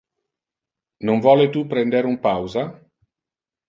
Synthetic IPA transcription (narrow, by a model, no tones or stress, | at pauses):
noɱvɔːlet̪upɾɛnd̪eɾumpawza